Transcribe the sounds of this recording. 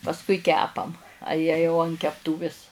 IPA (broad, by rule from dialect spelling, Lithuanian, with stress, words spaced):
pɐsˈkʊɪ ˈkʲæːpɐm ɐ ˈjiɛ jɛʊ ɐn kʲɛpˈtuːʋʲɪs